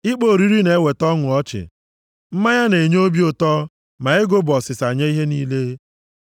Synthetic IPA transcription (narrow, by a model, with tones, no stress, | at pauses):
ɪ˦k͡po˨ɾi˦ɾi˦ne˨˦we˨tɔ˦ŋʊ˨ɔ˦t͡ʃɪ̰˨ | m̩˦ma˦ɲa˦ne˨ɲ˦o˦bi˦o˨tɔ˦ | ma˨ɪ˦ɡo˦bɔ˨sɪ˨sa˨ɲa˦i˦ɦe˦niː˦le˦